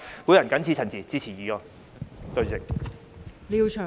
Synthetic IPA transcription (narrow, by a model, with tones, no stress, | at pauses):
kuː˨˥jɐ˨˩nkɐ˨˥nt͡sʰiː˧t͡sʰɐ˨˩nt͡siː˨t͡siː˧˥t͡sʰiː˨˩jiː˨˧jɔ˨˧ | t̪ɵ˧ɥt͡sɪ˨k̚ | liː˨wt͡ʃʰœː˨˩